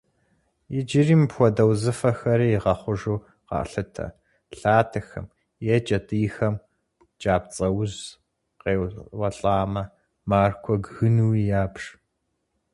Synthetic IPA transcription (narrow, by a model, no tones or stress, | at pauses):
jɪd͡ʒɪriːmpxʷɔdɐwzɨfɐxɐɾiːjiʁɐχʷʊʒuː | qɑ̰ːɬɨtʰɐ̰ | ɬaːtʰɨxɐ̰m | jɛt͡ʃʼɐtʼiːxɐm | d͡ʒaːp̚t͡sʼɐwz | qeːwwɐɬʼaːmɐ | maːrkʷʰɔɡɣɨnuwijaːpʂ